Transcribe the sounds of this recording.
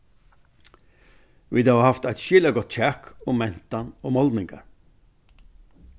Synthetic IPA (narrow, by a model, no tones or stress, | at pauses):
ʋiːd̪ɑːɑːhɑft̪æɪt̪ʃɪləɡɔt̪c͡çækʰʊmɛnt̪ɑnoːmɔld̪nɪŋɡə̰ɾ